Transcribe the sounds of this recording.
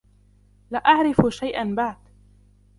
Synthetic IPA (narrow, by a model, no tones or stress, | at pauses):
laːʔaʕɾɪfʃajʔanbaʕd̪